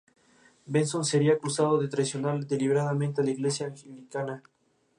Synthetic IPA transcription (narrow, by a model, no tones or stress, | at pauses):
bensonseɾiakusaðoðet̪ɾaisjonaɾd̪eliβeɾaðamẽnt̪ealaiɣle̞sjaːexelikana